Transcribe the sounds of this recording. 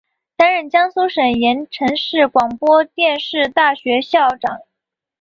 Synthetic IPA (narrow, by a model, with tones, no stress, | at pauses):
t̪a˧˥nɻə˨˩nt͡ɕjɑ˥ŋsu˥ʂə˨˩njɛ˧˥nʈ͡ʂʰɤ˧˥ŋʂɻ̩˥˩kwɑ˨˩ŋpwɔ˥t̪jɛ˥˧nʂɻ̩˥˧t̪a˥˩ɕɥɛ˧˥ɕjɑ˥˩ʊʈ͡ʂɑ˨˩˦ŋ